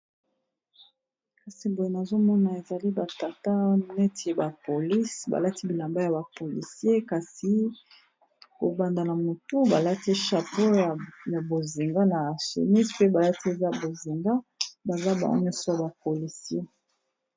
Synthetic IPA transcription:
ka˨si˨bo˨je˦na˨zo˦mɔ˦na˨e˨za˨li˦ba˨ta˨ta˦nɛ˦tʰi˨ba˨po˨li˦sba̰˨la˦ti˦bi˨la˨mba˦ja˨ba˨po˨lḭ˨si˦e˦ka˨si˨˦ | ko̰˨ba˨nda˨na˨mo˨tu˦ba˨la˦ti˦ʃa˨po˦˨ja˨bo˨zi˨ŋɡa˦na˨sṵ˨mi˦spe˦ba˨la˦ti˦e˨za˦bo˨zi˨ŋɡa˦ba˨za˦ba̰˨ɡo̰˦ɲɔ˦sɔ˦a˨ba˨po˨li˨si˦e˦

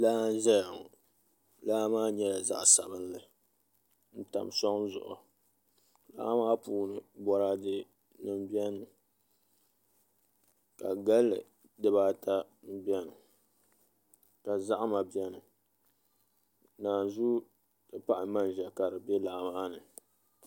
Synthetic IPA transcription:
laː˦n̩˦ʒɛ˦ja˨ŋ˨ | laː˦maː˦ɲɛ˦la˨za̰˦ʔsa̰˨bɨ˦n˦lɨ˨ | n̩˦ta̰˨msɔ˦ŋ˦zʊ̰˨ʔʊ̰˨ | la̰˦ʔmaː˦puː˦nɨ˨bɔ˨ɾaː˦dɨ˦ | nɨ˨m˦bi˦ɛ˦nɨ˨ | ka˨ɡa˦lːɨ̰˨ | dɨ˦baː˦ta˦m̩˦bi˦ɛ˦nɨ˨ | ka˨za˦ʔma˨bi˦ɛ˦nɨ˨ | naː˨zu˦ | dɨ˦pa˦ʔɪ˨ma˦n˨ʒɛ˨ka˨ɾɨ˨bɛ˦la˨ʔmaː˦nɨ˨

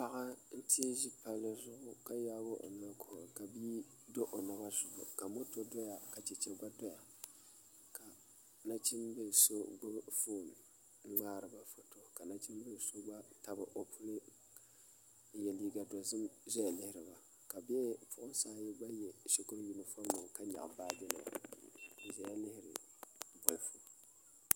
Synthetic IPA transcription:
pa˨ɣa˦n̩˦ti˦e˦ʒi˦pa˦lɨ˦zʊ˦ʔʊ˦ka˦jaː˦bo˦ʔo̰˨na˦kʰo˨ka˨biː˦ | do˦ʔo˨na˨ba˦zʊ˨lʊ˨ka˨mo˦to˦dɔ˦ja˨ka˨t͡ʃɛ˨t͡ʃɛ˦ɡʷa˦dɔ˦ja˨ | ka˨ | na˦t͡ʃi˦mbe˦˨so˦ɡ͡bo˦fo˦˨n̩˨˦ | ŋ͡maː˦ɾɨ˨ba˦fo˨to˦ka˨na˦t͡ʃi˦m˦be˦˨so˦ba˦ta˨bɨ˨ʔo˨pʰu˦lɨ˦ | jɛ˨li˦ɡa˨dɔ˨zɨ˦mzɛ˦ja˨lɪ˦hɪ˦ɾɨ˨ba˨ | ka˨bɛ˦pʰʊ˦ʔʊ˦n˦saː˦jɛ˦ba˦jɛ˨ʃi˦kʊ˦ɾji˨nɨ˦fo˦nʊ˨ŋka˦ɲa̰˨ʔbaː˦dɪ˦na̰˨ɨ˨zɛ˦ja˦lɪ˦hɪ˦ɾɨ̰˨ | bɔ˨lfo˦

